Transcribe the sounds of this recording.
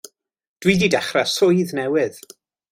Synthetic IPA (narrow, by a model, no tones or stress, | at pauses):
d̥wididɛχrasʊjðnɛwɪð̥